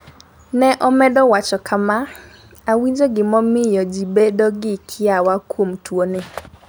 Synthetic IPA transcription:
nɛʔɔmɛdɔwat͡ʃɔkʰama | awiɲd͡ʒoɡɪmɔmɪjɔd͡ʒibedoɡɪkʰɪawakwomtwone

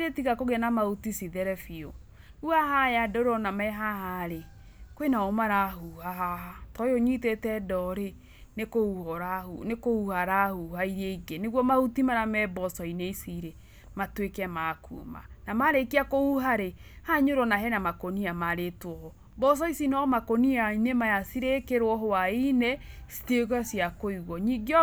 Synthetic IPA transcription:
ɾetiɣakoɣɛnamautisiðɛɾɛfio | uaɦajadoɾɔnamɛɦaɦaɾe | kwenaomaɾaɦuhaɦaatɔjoɲitetɛdɔɾe | nekouhɔɾahunekouhaɾahuhaiɾeɡeneɣwɔmahutimaɾamɛbɔsɔineisiɾe | matwekɛmakṵma̰namaɾekiakouɦaɾehaɲoɾɔnaɦɛnamakoniamaɾetwɔɔ | bɔs̬ɔisinɔmakoniainemajasiɾekeɾwɔɦoainɛsi̥teɣasiakoiɣɔɲiɡiɔ

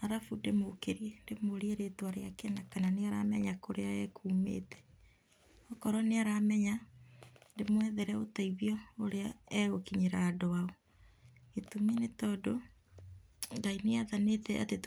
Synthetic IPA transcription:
aɾafundemokeɾjɛndemoɾeeɾetwaɾeakenakananeaɾa̰mɛɲakoɾeaɛkʰuːmḛːtɛ̥ | ɔkɔɾɔneaɾamɛɲa | ndemwɛðɛɾɛotaiβjɔoɾeaɛokiɲeɾadoaɔ | etumenetɔdo | ɡaineaðanetɛa̰tet

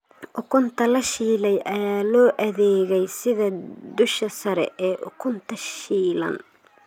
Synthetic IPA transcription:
ʔʊkʰʊnt̪ʰɐlɐʃiːlɛjʔɐjaːlɔːʔɐðɛːɣɛjsɪðɐd̪ʊʃɐsɐɾɛ̰ʔɛːʔʊ̰kʰʊnt̪ʰɐʃiːlɐ̰n

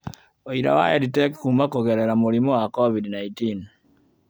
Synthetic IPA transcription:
oiɾa̰wa̰jaditɛkkumakoɣeɾeɾamuɾimowakɔvidnaitin

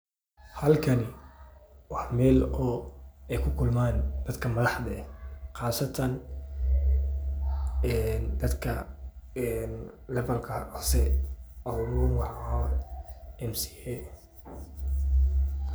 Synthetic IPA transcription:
hɐlkʰɐnɪ | wɑħmɛːlɔːɛjkʰʊkʰʊlmaːnd̪̥ɐd̪kʰɐmɐðɑħd̪ɐɛqɑːsɐt̪ʰɐn | ɛːnd̪ɐd̪kʰɐɛn | lɛβɐlkʰɐʕʊsɛʔɐwɾuwɑħɐhaː | ɛmsi̥ɛ

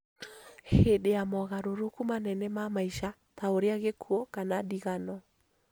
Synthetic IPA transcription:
hedeamɔɣaɾoɾokumanɛnɛmamaiʃa | taoɾeaɣekʰuɔkanadiɣanɔ

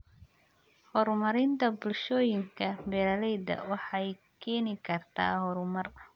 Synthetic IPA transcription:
hɔɾmɐɾɪnt̪ʰɐbʊlʃɔːjɪŋkʰɐbɛːlɐlɛjdɐ̰wɑħɑjkʰɛːnɪkʰɐrt̪ʰa̰ːhɔɾʊmɐr

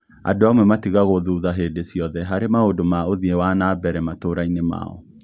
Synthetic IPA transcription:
a̰doamwɛmatiɣaɣoðuːðaɦedesjɔðɛɦaɾemaodomaoðiewanabɛɾɛmatoɾainema̰ɔ̰

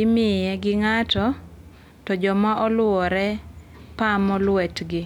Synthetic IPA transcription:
ɪmɪjɛɡɪŋatɔ | tɔd͡ʒɔmaʔɔlʊɔɾɛ | pamɔlwɛtɡɪ

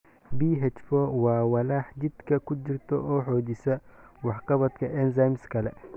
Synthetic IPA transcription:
biːɦɛt͡ʃfɔwɑːwɐlaːħdɪd̪kʰɐkʰʊd͡ʒɪrt̪ʰɔ̰ɔːħɔːd̪ɪsɐwɑħqɑβɐt̪kʰɐɛnsajmskʰɐlɛ

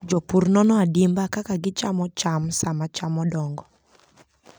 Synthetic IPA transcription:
d͡ʒɔpurnɔnɔadimbakakaɡɪt͡ʃamɔt͡ʃamsamat͡ʃamɔdɔŋɡɔ

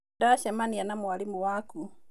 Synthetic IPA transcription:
daʃamanijanamwalimuwaku

